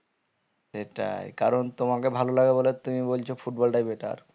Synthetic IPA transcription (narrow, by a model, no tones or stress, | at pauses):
ʃeʈa̰jkaɾont̪omakebʱalolaɡebolet̪umibolt͡ɕʰofuʈ̚bɔlɖajbeʈa̰ɾ